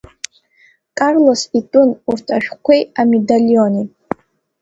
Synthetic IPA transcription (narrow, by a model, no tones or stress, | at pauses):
kʼarlositʼʊnurtʰaʃᶣkʷʰejamedalioni